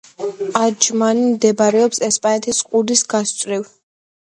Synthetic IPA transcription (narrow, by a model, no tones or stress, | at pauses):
ad͡ʒmanimd̪ɛbaɾɛɔpsɛspʼanɛt̪ʰisqʼud̪isɡast̪sʼɾiw